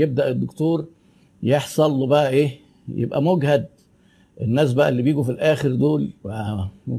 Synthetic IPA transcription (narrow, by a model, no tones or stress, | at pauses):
jeb̚d̪æʔed̪ːokt̪oːɾˤ | jeħsˤɑlːebæʔæʔeː | jḛbʔæ̰moɡhæd̪̚ | ʔenːæːs̬bæʔlːibjiːɡufilʔæːxeɾd̪oːlwææ